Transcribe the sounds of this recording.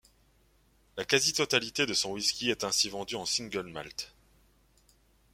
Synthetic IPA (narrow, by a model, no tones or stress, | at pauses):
lakazit̪ɔt̪alit̪ed̪əsɔ̃wiskʲiɛt̪ɛ̃sivɑ̃d̪yɑ̃sĩŋɡœlma̰lt̪